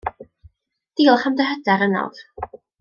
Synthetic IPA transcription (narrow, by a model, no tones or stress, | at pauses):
d̥iːlˠχamdəɦədaɾəna̰lˠv̥